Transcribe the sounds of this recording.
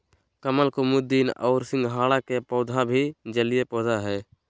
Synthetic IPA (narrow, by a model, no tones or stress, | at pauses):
kəməlkomʊd̪iːnɔʊɾsɪ̃ŋɡɦaːlakepɔːd̪ʱabʱid͡ʒəlijepɔːd̪ʱaɦɛː